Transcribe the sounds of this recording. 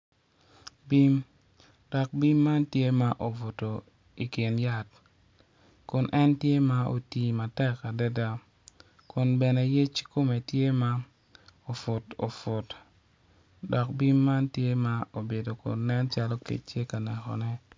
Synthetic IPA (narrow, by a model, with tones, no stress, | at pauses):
bi˦m | dɔ˨k̚bi˦mːa˦ntje˦ma˦ʔo˨vo˨to˨ | i˨kɪ˨nja˦t | kʊ˨nʔɛ˦ntje˦ma˦o̰˨ti˨ma˨tɛ˦ka˨dɛ˦da˦ | kʊ˨nbɛ˨nɛ˨je˦t͡ʃko˦me˨tje˦ma˦ | o˨fʊ˨to̰˨fʊ˨t | dɔ˨k̚bi˦mːa˦ntje˦ma˦o˨be˨do˨kʊ̰˨nnɛ˦nt͡ʃa˦lo˦kḛ˨t͡ʃje˦ka˨nɛ˨xɔ̰˨nɛ˦